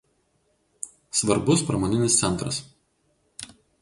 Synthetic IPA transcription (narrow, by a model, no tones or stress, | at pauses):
sʋɐɾbʊspɾɐmoːnʲɪnʲɪst̪sʲɛnˑt̪ɾɐ̰s